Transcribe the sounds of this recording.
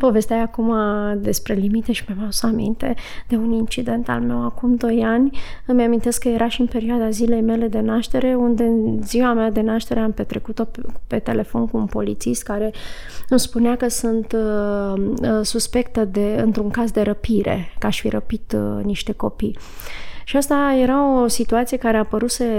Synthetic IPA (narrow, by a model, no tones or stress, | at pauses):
po̞ve̞st̪eajakumad̪e̞spɾe̞limit̪e̞ʃimamasamḭnt̪e̞d̪̥e̞unint͡ʃid̪e̞nt̪a̰lme̞wakumd̪o̞janʲɨmeamint̪e̞skːəje̞ɾʔaʃiɨnpeɾioad̪azile̞jme̞le̞d̪e̞naʃt̪e̞ɾe̞und̪e̞ɨnziwamead̪e̞naʃt̪e̞ɾe̞ampe̞t̪ɾe̞kut̪o̞pe̞t̪e̞le̞fo̞̰nkuːnpo̞lit̪sist̪̚kaɾe̞ | ɨmspunakəsɨnt̪ | suspe̞kt̪əd̪e̞ɨnt̪ɾuŋkazd̪e̞ɾəpiɾe̞̰kaʃfḭɾəpit̪niʃt̪e̞ko̞pi | ʃiast̪aje̞ɾaosit̪uat̪sije̞kaɾe̞apəɾuse